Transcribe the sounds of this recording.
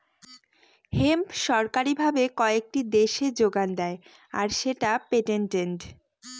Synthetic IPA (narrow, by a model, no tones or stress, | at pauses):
hempʃɔɾkaɾibʱabekɔek̚ʈid̪eʃed͡ʑoɡand̪ɛe | a̰ɾʃeʈapeʈenʈeɳʈ